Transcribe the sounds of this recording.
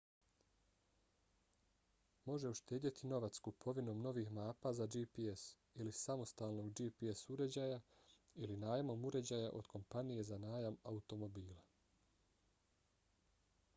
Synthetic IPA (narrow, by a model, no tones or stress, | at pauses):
mo̞ʒe̞uʃt̪eːd̪jit̪ʰino̞ʋat̪skupʰo̞ʋino̞ːmno̞ʋiːxmaːpazad͡ʒipies | ilisamo̞st̪aːlˠno̞ɡd͡ʒipiesuɾe̞d͡ʑaːja | ilinaːjamo̞muɾe̞d͡ʑaːjaʔo̞d̪̥kʰo̞mpanije̞zanaːjamaut̪o̞mo̞biːla